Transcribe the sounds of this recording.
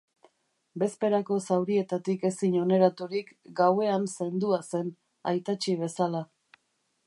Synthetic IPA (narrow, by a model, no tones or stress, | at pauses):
be̞spe̞ɾako̞sawɾie̞t̪at̪ike̞siɲo̞ne̞ɾat̪uɾik | ɡawe̞anse̞nd̪uase̞n | a̰jt̪at͡ʃiβ̞e̞sala